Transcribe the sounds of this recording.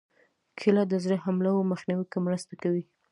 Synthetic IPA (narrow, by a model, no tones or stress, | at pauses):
kʰɪlad̪əzɾəhamlawoməxniwikomɾəst̪akawi